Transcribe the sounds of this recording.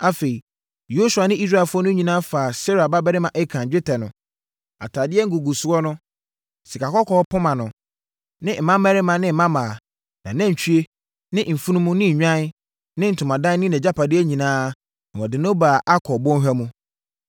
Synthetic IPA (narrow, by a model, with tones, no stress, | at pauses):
a˦fe˨i˨ | jo˦su˨a˨nɪ̃˦i˦s̬ɾa˦˨fʊ˦ɔ˦nʊ̃˦ɲĩ˨nãː˦fa˨se˦ɾa˨ba˦bɛ˦ɾɪ˦mã˨ʔɛ˦kʰã˨ɲd͡ʑᶣɪ˦tʰɛ˨nʊ̃˨ | a̰˨tʰa˨dɪ˦ɛ˦ŋ̩˦ɡu˨ɡu˨sʊ˨˦ɔ˦nʊ̃˦ | si˨kʰa˨kɔ˦kʰɔː˦pʰʊ˦mã˨nʊ̃˨ | nɪ̃˦m̩˨mã˦mɛ˦ɾɪ˦mã˨nɪ̃˦m̩˨˦mã˦maː˨ | nã˨nã˦ɲ̩˨t͡ɕʰᶣy˦e˦ | nɪ̃˦m̩˨fu˦nũ˦mʊ̃˦nɪ̃˦˨ɲᶣã˦n˦ | nɪ̃˦n̩˨tʰʊ˨mã˨dã˦nɪ̃˦nɛ̃˨d͡ʑa˦pʰa˨dɪ˦æ˦ɲĩ˨nãː˦ | nã˨ɔ˨dɪ˨nõ˦ba˨ʔa˦kʰɔ˨bɔ̃˦n˦ɦᶣæ˦mũ˦